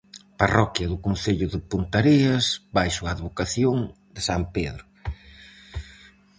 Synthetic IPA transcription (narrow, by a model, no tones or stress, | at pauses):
parɔkjɐðʊkonθeʎʊðɪpunt̪aɾiɐsbajsʊaːðβokaθjoŋ | d̪ɪsampeðɾʊ